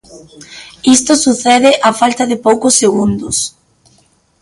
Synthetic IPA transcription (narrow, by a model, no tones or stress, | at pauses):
ist̪osuθɛðɪʔafalt̪aðɪpowkʊsːeɣ̞und̪ʊs